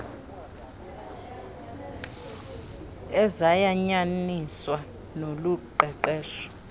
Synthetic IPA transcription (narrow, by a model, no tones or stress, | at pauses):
ɛzajaɲaniswa | noluǃɛǃɛːʃɔ̥